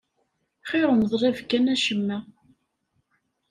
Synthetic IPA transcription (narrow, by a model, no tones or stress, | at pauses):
χɪɾˤənðˤrˤævkænæʃəmːæ